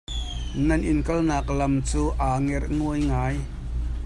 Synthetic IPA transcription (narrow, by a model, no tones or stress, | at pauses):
nɐnʔɪnkɐlnaːk̚lɐmt͡suːʔaːŋɛrnuəjŋaːj